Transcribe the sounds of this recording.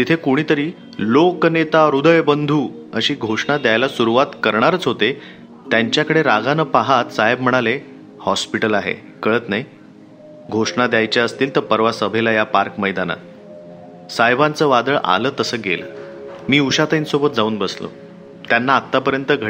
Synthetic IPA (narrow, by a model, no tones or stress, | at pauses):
t̪it̪ʰekuɽ̃iːt̪əɾiː | loknet̪aɾud̪əjbənd̪ʱuː | əɕiːɡʱoʂɳad̪jajlasuɾuʋat̪kəɾɳ̃aɾət͡sɦot̪e | t̪jaɲt͡ɕjakəɽeɾaɡanəpaɦat̪saɦeb̚m̤əɽ̃ale | hɔspiʈəlaɦḛ | kəɭət̪naj | ɡʱoʂɳad̪jajt͡ɕjaəst̪iːlt̪əɾpəɾʋasəbʱelajapaɾkməjd̪ana̰ | sajbãnt͡səːʋad̪əɭʔa̰ləːt̪əsəːɡel | miːuɕat̪insobət̪̚d͡zauːnbəslo̰ | t̪janːaːt̪ːapəɾjənt̪əɡʱə